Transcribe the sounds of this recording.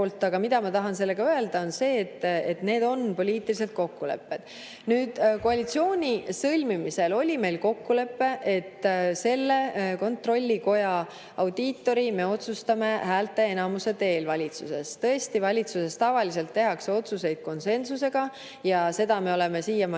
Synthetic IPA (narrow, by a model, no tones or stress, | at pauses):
olt̪ːˑɑɡ̥ɑmid̪ɑmɑt̪ɑɦɑns̬e̞lːeɡ̥ɑøe̞ld̪̥ɑo̞nse̞ːt̪ːet̪ne̞ːd̪o̞npo̞lʲiːt̪ːilis̬e̞t̪̚ko̞kːule̞̰pːe̞d̪̥ | nyːd̪̥ko̞ɑlit̪sio̞ːnʲisɤlʲmimise̞lo̞lʲime̞jlko̞kːule̞pːe̞ʔe̞t̪ːse̞lːe̞ko̞nt̪ro̞lʲːiko̞jɑ | ɑwd̪̥iːt̪ːˑo̞ɾime̞o̞t̪sust̪ɑme̞hæːlt̪ːˑe̞enɑmuse̞t̪e̞ːlvɑlʲit̪suse̞st̪ɤ̞e̞st̪ivɑlʲit̪suse̞st̪ɑvɑlise̞lt̪ːeɦɑkseo̞t̪suse̞jd̪̥̚ko̞nse̞nsuse̞ɡ̥ɑ | jɑse̞d̪̥ɑme̞o̞le̞me̞siːjɑmɑ